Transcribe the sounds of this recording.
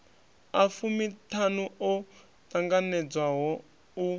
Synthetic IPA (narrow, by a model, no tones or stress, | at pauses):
afumitʰanuɔ | taŋɡanɛd͡zwaɦɔ | u